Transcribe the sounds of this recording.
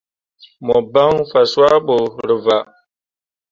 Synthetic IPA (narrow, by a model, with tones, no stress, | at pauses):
mo˨ba˦ŋfa˨swa˦ɓo˨ɾi˨va˨